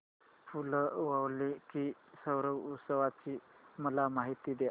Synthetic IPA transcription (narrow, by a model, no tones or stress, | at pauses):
fuləʋəwlikisəwɾəwusəʋat͡ɕiməlamaɦit̪id̪e